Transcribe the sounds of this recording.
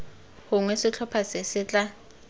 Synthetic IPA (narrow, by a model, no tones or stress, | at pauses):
hʊŋwɛsɪt͡ɬʰɔpʰasɪsɪt͡ɬʼa